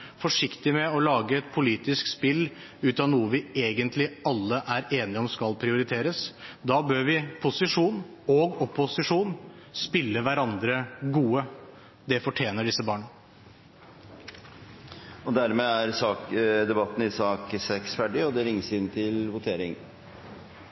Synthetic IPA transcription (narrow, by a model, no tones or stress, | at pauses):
fɔʂɪkt̪ɪmɛɔlɑːɡəɛt̪pʰʊliːt̪ɪskspɪlː | ʉːt̪ɑnuːəʋɪeːɡənt̪lɪɑlːəʔæɾeːnɪɔmskɑlpʰɾɪʊɾɪt̪ʰeːɾəsd̪ɑːbøːɾʋɪpʰʊsɪʂuːn | oɡɔpːʊsɪʂuːn | spɪlːəʋæɾɑnd̪ɾəɡuːə | d̪ɛfɔʈʰjeːnəɖɪsːəbɑːɳɑ | ɔd̪æɾmeæɾsɑːkd̪ɛbɑt̪ːn̩ɪsɑːksɛksfæɖɪɔd̪ɛɾɪŋːsɪnt̪ʰɪlʋʊt̪ʰeːɾɪ̰ŋ